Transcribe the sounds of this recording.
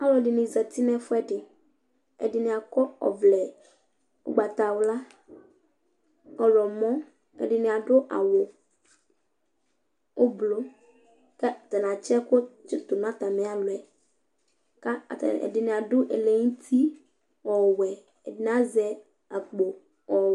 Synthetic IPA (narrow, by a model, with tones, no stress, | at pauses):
a˦lɔ˨dɪ˨nɪ̃˨zɛ˨t̪i˦nɛ̃˦fʊ˦ɛ˦dɪ˨ | ɛ̰˨dɪ˨nɪ̃˨a˨kɔ˦ɔ̰˨vlɛ˨ | ʊ̰˨ɡ͡ba˨t̪a˨wʊ˦la˦ | ɔ˨lɔ˨mɔ̃˦ | ɛ̰˨dɪ˨nɪ̃˨a˨dʊ˦ʔa̰˨wʊ˨ | wo˦blo˦ | kɛ˦˨t̪ɛ˨n˨ã˨t͡ʃɛ˦kʊ˦t͡ʃɪ˦t̪ʊ˨n˦a˦t̪a˨mɛ̃˨˦a˨lʊ˨ɛ˨ | ka̰˦˨ɛ̰˨dɪ˨nɪ̃˨a˨dʊ˦ʔe˨le˨ŋũ˦t̪ʰi˦ | wɔ˨wɛ˨ | ɛ˨dɪ˨n˨˦a˦zɛ˨ | a˨k͡po˨ | ɔ˨